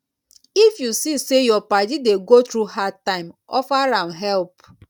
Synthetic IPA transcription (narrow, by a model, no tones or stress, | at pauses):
ifjusisejɔpadideɡot̪ɾuhatãɪ̃mɔ̰faɾãmɦɛlp